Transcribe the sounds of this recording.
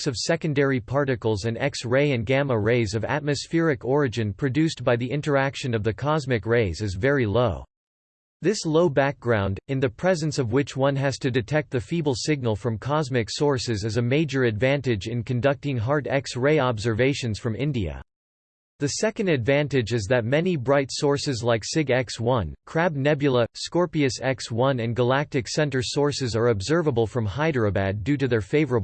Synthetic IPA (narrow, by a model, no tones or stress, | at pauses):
sʌv̥sɛkɨ̃ndɛɹipʰɑɹɾɨkl̩ˠzɨ̃nɛ̰ksɹeɪɨ̃nɡæməɹeɪzʌvæ̰t̚mɨsfɪɹɨkʰɔɹɨd͡ʒɨ̃npʰɹ̥ɨdʉsb̥aɪðiʔɪ̃ntə˞ækʃɨ̃nʌvðɨkʰɑzmɨkɹeɪzɨzvɛɹiloʊ | ðɪsloʊbæk̚ɡ̥ɹãʊ̃ndɨ̃nðɨpʰɹ̥ɛzɨ̃nsʌvwɪt͡ʃwʌ̃nɨz̥tʰɨdɨtʰɛk̚t̪̚ðɨfibl̩ˠsɪɡ̚nl̩ˠfɹʌ̃mkʰɑzmɨksɔɹsɨzɨzɨmeɪd͡ʒə˞ɨdvæ̃ntɨd͡ʒɨ̃nkʰɨ̃n̩dʌk̚tɪ̃ŋɦɑɹɾɛksɹeɪɑbzə˞veɪʃɨ̃nz̥fɹʌ̃mɪ̰̃ndiɨ̰ | ðɨsɛkɨ̃n̩dɨdvæ̃ntɨd͡ʒɨzðɨt̚mɛnibɹaɪtsɔɹsɨzlaɪksɪɡɛkswʌ̃nkʰɹ̥æb̚nɛbjɨl̩ˠəskɔɹpiɨsɛkswʌ̃nɨ̃nɡəlæk̚tɨksɛ̃ntə˞sɔɹsɨzə˞ɨbzɜ˞vəbl̩ˠfɹʌ̃mhaɪdɹəbæddʉɾɨðə˞feɪvə˞əb